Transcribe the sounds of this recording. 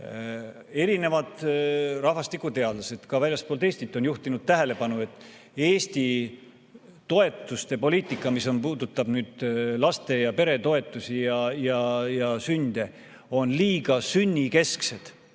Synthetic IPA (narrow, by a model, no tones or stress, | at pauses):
e̞ɾine̞vɑd̪̥rɑɦvɑst̪ikːˑut̪e̞ɑd̪̥lɑse̞d̪̥kɑvælʲjɑst̪polt̪e̞ːst̪it̪ːˑo̞njuht̪inud̪̥t̪æɦe̞le̞pɑnue̞t̪ːˑ | e̞ːst̪i | t̪o̞e̞t̪ːˑust̪e̞po̞liːt̪ˑikːˑɑmiso̞npuːd̪̥ut̪ːˑɑb̥nyːd̪̥lɑst̪e̞jɑpe̞ɾe̞t̪o̞e̞t̪ːˑusijɑjɑjɑsynʲd̪̥e̞ | o̞nliːɡɑsynʲːike̞skse̞d̪̥